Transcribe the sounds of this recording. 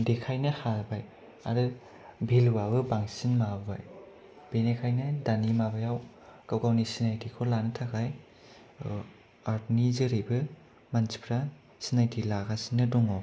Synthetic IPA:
dekʰajnɯhaɾbaj | a̰ɾɯ | bʱilwabɯbaŋsinmabba̰j | b̥enekʰajnɯdanimabajaw | kawɡawnisinajdikʰɔlanɯtʰakaj | aɾtnizɯɾɯjbɯ | mansʰi̥pʰɾa | sinajdilaɡasinɯdɔŋɔ

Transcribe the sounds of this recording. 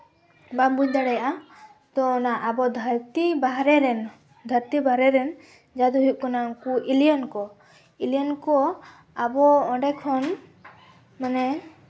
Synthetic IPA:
babuɲd̪aɽɛjaʔa | t̪ɔnaʔabɔd̪ʱaɾt̪ibaɦɾɛɾɛn | d̪ʱəɾt̪ibaɾɛɾɛn | d͡ʒad̪uɦuʔ̚kɔnaŋkuʔiliankɔ | ilijankɔ | abɔɔɖɛkʰɔn | manɛ

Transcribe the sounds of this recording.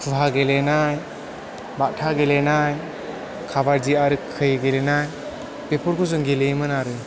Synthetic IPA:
kʰɯɦaɡelenaj | baʔtʰaɡelenaj | kʰabaɾd͡ʒiaɾɯkʰːɯjɡelenaj | pepʰɔɾkʰɔzɔŋɡelejmɯnaɾɯ

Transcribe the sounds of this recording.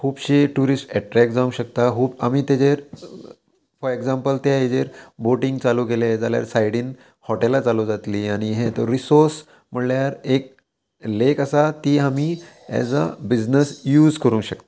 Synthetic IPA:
kʰuːbɕeʈuɾisʈɛʈɾɛk̚d͡zaũɕək̚t̪aɦuːba̰miːt̪ed͡ʑeɾ | fɔɾeɡd͡zãmpəlt̪jaed͡ʑeɾboʈiŋɡt͡saluːkeled͡zalja̰ɾsajɽiːn | hɔʈelat͡salud͡zat̪liːaɽ̃iɦet̪əɾɾisoɾs | m̤əɽljaɾek̚ | lekəsat̪iːɦami | ɛ̰d͡za̰bid͡znəsjuːd͡zkəɾũɕəkt̪a

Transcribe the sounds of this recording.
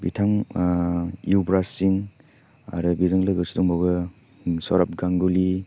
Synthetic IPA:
bḭtʰaŋ | iwbɾasiŋ | a̰ɾɯbizaŋlɯɡɯsidɔŋbawɡɯ | sɔɾap̚ɡaŋɡuli

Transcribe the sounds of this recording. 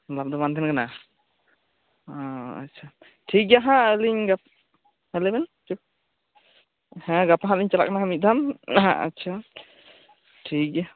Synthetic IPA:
lap̚d̪ɔmant̪ʰɛnkana | ɔa̰tːt͡ʃʰa | ʈʰik̚jaɦãəliɲɡap | əlɛbɛnt͡ʃu | hɛ̃ɡapaɦãliɲt͡ʃala̰ʔkanaɦamit̪̚d̪ama̰tːt͡ʃʰa | ʈʰik̚ja

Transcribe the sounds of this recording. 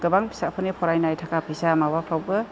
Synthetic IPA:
ɡ̥ɯbaŋpʰi̥sapʰɯnipʰɔɾajnajtʰakapʰisamawapʰawbɯ

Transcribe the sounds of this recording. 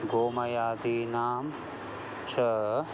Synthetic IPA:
ɡoːmɐjaːd̪iːnaːm | t͡ʃʰɐ

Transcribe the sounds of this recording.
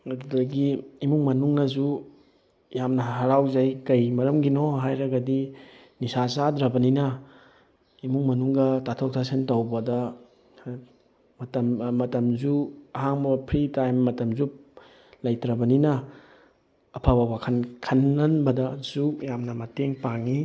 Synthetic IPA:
ɐdudɐɡiimuŋmɐnuŋnɐzu | jamnɐɦɦɐɾawzajkɐjmɐɾɐmɡinoɦajɾɐɡɐdi | nisasadɾɐbɐninɐ | imuŋmɐnuŋɡɐtatʰok̚tʰasentɐwbɐdɐ | mɐtɐmmɐtɐmzuɐɦaŋbɐpʰɾitajmːɐtɐmzu | lɐjtɾɐbɐninɐ | pʰabawakʰɐnkʰɐnːɐnbɐdɐzujamnɐmɐteŋpaŋi

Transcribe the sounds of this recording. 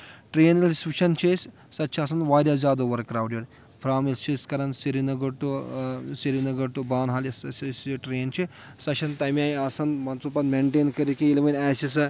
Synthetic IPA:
ʈɾeːnilʲsʋit͡ʃʰɐnt͡ʃʰesʲ | sɐt̪ːt͡ʃʰiaːsɐnʋaːɾʲjaːzʲaːd̪ɐʋɐɾkːɾaːwɖʲjɐɽʲ | pʰɾaːmilst͡ʃʰiskɐɾɐnsiɾinɐɡɐʈusiɾinɐɡɐʈubaːnɦaːlʲɐsɐsɐsʈɾeːnt͡ʃʰi | sɐt͡ʃʰɐnt̪ɐmiaːjasɐnmɐnt͡supɐt̪meɳʈeːnkɐɾikijiliʋɐnʲaːsis̬ɨ

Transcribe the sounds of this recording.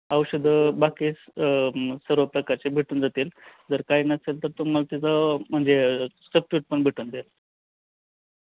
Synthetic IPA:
əwɕəd̪ʱbakiː | səɾʋəpɾəkat͡ɕebʱiʈuːnd͡zat̪iːld͡zəɾkainəselt̪əɾt̪um̤alt̪ed͡zam̤əɳd͡zesəb̚t͡ɕiːʈ̚pəɳbʱiʈuːnd̪el

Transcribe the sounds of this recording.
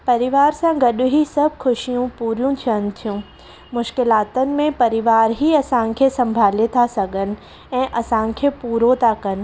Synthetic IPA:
pɐɾɪʋaːɾsãɡɐɗʊɦisɐbʱkʰʊʃijũpuːɾjũt̪ʰiənɪ̆t̪ʰijũː | mʊʃkɪlaːt̪ənɪ̆mẽpɐɾɪʋaːɾɦiɐsãkʰesɐ̃mbʱaːlet̪ʰasɐɡənɪ̆ | ɛ̃ːʔɐsãkʰepuːɾot̪ʰakɐnɪ̆

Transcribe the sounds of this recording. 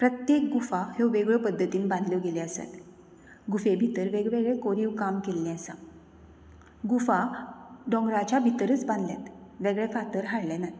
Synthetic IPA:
pɾət̪jek̚ɡufaheʋeɡɭəpəd̪ʱːət̪iːnbãnd̪ʱljɔɡelɛəsa̰t̪ | ɡufebʱit̪əɾʋeɡɭeɡɭɛkoɾiːʋkamkelnɛ̃əsa | ɡufaɖɔ̃ŋɡɾat͡ɕabʱit̪əɾət͡sbãnd̪ʱlja̰t̪ʋeɡɭɛfat̪əɾɦaɽlɛna

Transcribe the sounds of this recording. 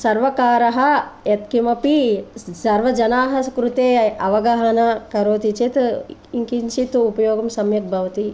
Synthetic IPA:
sɐɾʋɐkaːɾɐɦɐjɐt̪kimɐpisɐɾʋɐd͡ʒɐnaːɦɐskɾut̪eːɐʋɐɡɐɦɐnɐkɐɾoːt̪it͡ʃit̪iŋkint͡ʃit̪upɐjoːɡɐmsɐmjɐt̪̚bʱɐʋɐt̪i

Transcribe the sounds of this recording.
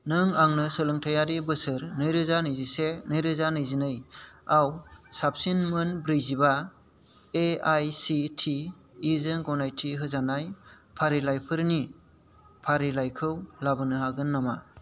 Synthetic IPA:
nɯŋaŋnɯsɯlɯŋtʰajaɾibɯsɯɾnɯjɾɯzanɯjzisenɯjɾɯzanɯjzinɯjawsap̚sinmɯnbɾɯjziba | eajsitʰiː | zɯnɡɔnajtʰiɦɯzanaj | pʰaɾilajpʰɯɾni | pʰaɾilajkʰɯwlabɯnɯɦaɡɯnːama̰

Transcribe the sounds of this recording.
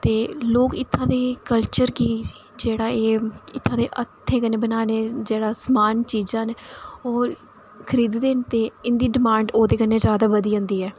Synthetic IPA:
t̪eːloːkɪt̪ʰːãːd̪eːkəlt͡ʃəɾkiː | d͡ʒeːɽaːeːɪt̪ʰːãːd̪eːʔət̪ʰːẽːkəneːbənaːneːd͡ʒeːɽaːsəmaːnt͡ʃiːd͡ʒãːnoː | kʰəɾiːd̪d̪eːnt̪eːɪnd̪iːɖɪmãːɳɖoːd̪eːkənːeːd͡ʒjaːd̪aːʋəd̪iːə̃ːnd̪iːɛː

